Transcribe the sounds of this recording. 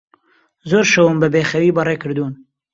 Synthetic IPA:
zoːɾʃɐwʊmbɨbeːxɐwiːbɐreːkɨɾd̪uːn

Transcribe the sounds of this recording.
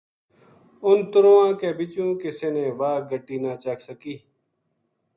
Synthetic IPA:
ʊnt̪ʊɾoːãːkeːbɪt͡ʃũːkɪseːnẽːʋaːɡʱəʈːiːnaːt͡ʃaːksəkiː

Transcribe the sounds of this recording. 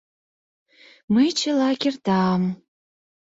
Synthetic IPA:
mɨjt͡ʃʰɨlaːɡʲɪrd̥aːm

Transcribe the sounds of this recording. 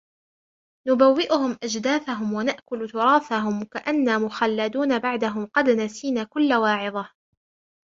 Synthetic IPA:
nʊbawːɪʔʊhʊmʔad͡ʒd̪aːθaɦʊmwanaʔkʊlt̪ʊɾˤɑːfaɦʊmkaʔanːaːmʊxalːad̪uːnabaʕd̪aɦʊmqɑd̪nasiːnaːkʊlːawɑːʕɪðˤɑ

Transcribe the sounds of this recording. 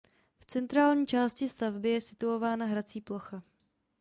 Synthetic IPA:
ft͡sɛnt̪ɾaːlɲiːt͡ʃaːscɪst̪avbɪjɛsɪt̪uo̞vaːnaɦɾat͡siːplo̞xa

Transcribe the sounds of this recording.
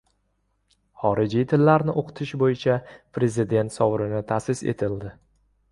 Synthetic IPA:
χɒɾɪd͡ʒijt̪ʰɪlːaɾnɪʔoqʰɨ̥t̪ʰɪʃbojɪt͡ʃʰapɾe̞zɪd̪e̞nt̪sɒwɾɪnɪt̪ʰasɪse̞̰t̪ʰɪld̪ɪ

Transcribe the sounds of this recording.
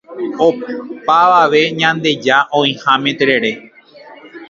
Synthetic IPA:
opaʋaʋe̞ɲãnd̪e̞d͡ʒaʔõĩhãmẽt̪eɾe̞ɾe̞

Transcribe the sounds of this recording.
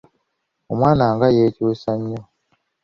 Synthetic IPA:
omwanaŋɡajet͡ʃiwesaɲːɔ

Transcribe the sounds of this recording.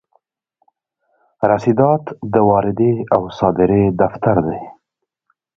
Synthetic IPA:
ɾasid̪ɑt̪d̪əwɑɾɪd̪eawsɑd̪ɪɾed̪aft̪aɾd̪ej

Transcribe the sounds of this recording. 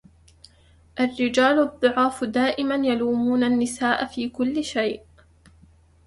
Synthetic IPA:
ʔarːɪd͡ʒaːlʊɑðˤːʊʕɑːfd̪aːʔɪmanjaluːmuːnanːɪsaːʔafiːkʊlːɪʃajʔ

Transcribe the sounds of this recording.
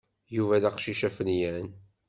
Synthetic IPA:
juvælæqʃiʃæfənjæn

